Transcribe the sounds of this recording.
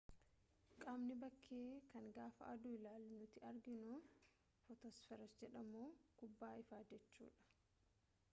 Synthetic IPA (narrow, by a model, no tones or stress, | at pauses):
kʼaːmnɪbɐkʰːeːkɐŋɡaːfɐʔɐ̰d̪ʊɪlaːlːnʊt̪ɪɐɾɡɪnʊ | fɔt̪ɔsfɛɾɐsd͡ʒɛᶑɐmoːɡ̥ʊbːaːɪfaːd͡ʒɛt͡ʃːṵːᶑɐ̥